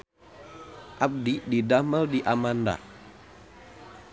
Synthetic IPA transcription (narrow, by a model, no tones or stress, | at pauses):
ʔab̚diʔdidaməldiʔamanda̰